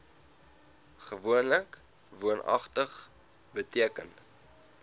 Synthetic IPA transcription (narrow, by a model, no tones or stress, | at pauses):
χəvuənlək | vuənʔɐ̰χtəχ | bətiəkən